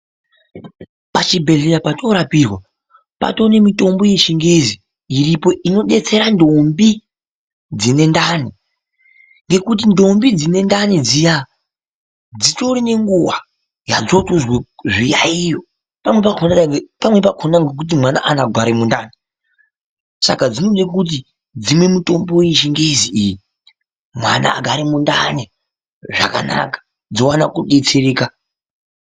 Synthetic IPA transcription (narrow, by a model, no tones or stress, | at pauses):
pat͡ʃibʱe̞ɮeɾapato̞ɾapirwa | pa̰to̞nemito̞mbo̞je̞t͡ʃiŋɡezi | iripo̞ʔino̞ɗe̞t͡se̞ɾandombi | d͡zine̞ndaːni | ŋɡe̞kut̬indo̞mbid͡zine̞ndanid͡zija | d͡zitoɾine̞ŋɡuwa | ja̰d͡zo̞toʐija̰ijo | pamwe̞pakʰonapamwe̞p̬akʰonaŋɡek̬ut̬imwana̰ʔanaɡʱwaɾemundane | sa̰kad͡zinoɗek̬ut̬i | d͡zimwe̞muto̞mboiʃiŋɡeiziiji | mwa̰na̰ɡʱaɾimunda̰ne | ʐa̰ka̰na̰kḁ | d͡zowanakuɗe̞t͡seɾeːka